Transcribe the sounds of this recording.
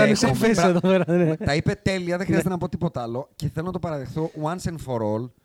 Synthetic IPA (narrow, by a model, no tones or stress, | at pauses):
ɐesɐfeseðopeɾɐnet̪ɐipe̞t̪e̞liɐðexɾiɐzs̬et̪enɐpo̞t̪ipo̞t̪ɐlo̞ceθelonɐt̪o̞pɐɾɐðexθowɐnsenfoɾol